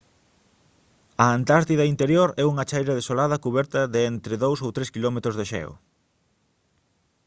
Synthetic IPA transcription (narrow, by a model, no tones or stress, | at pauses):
ɐant̪aɾt̪iðɐint̪eɾjoɾɛuŋɐt͡ʃajɾɐðesolað̞ɐkuβɛɾt̪ɐðeent̪ɾɪðowsowt̪ɾeskilɔmet̪ɾʊzðeʃɛ̰o̰